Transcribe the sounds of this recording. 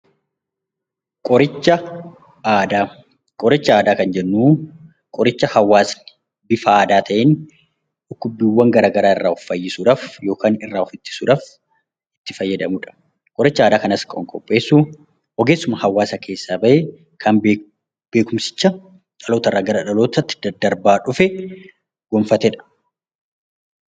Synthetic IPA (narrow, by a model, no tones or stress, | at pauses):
kʼɔɾɪt͡ʃːɐ | aːd̪aː | kʼɔɾɪt͡ʃːɐaːd̪aːkɐnd͡ʒɛnːuː | kʼɔɾɪt͡ʃːɐhɐwːaːs | bɪfɐaːd̪aːt̪ʰɐʔeːn | ʊkːʊbɪwːɐŋɡɐɾaːɡɐɾaːɪ̰rːaːʊfːɐjːɪsuːᶑaːfjo̞ːkʰaːnɪrːaːɔfɪt̪ːɪ̥suːᶑaːf | ɪ̥t̪ːɪfɐjːɐd̪ɐmʊᶑɐ̥ | kʼɔɾɪt͡ʃːɐaːd̪aːkɐnɐskʼɐɔŋkʼɔpʼːe̞ːsːu | ʔɔɡe̞ːsːʊmɐhɐwːaːsɐkʰe̞ːsːaːbɐʔe | kʰɐnb | b̥e̞ːkʊmsɪ̥t͡ʃːɐ | ᶑɐlo̞ːt̪ɐrːaːɡɐɾɐᶑɐlo̞ːt̪ɐt̪ːɪ̥d̪ɐd̪ɐɾbaːᶑʊfɛ | ɡ̥ɔmfɐt̪ɛᶑɐ̥